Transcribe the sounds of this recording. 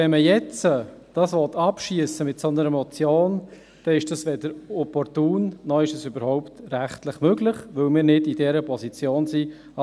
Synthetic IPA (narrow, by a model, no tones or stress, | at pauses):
ɛnməjɛt͡səd̥ɑsʋɔtɑpʃiəsəmɪtsɔnəɾəmɔt͡sjoːn | d̪̥ɛɪʃd̥ɑsʋɛdəɾɔpɔɾtuːnːɔɪʃəsybəɾhɔʊptɾæχtlɪχmøɡlɪχʋɵlmɪːɾnɪdid̥ɛɾəpʰɔsit͡sjoːnsi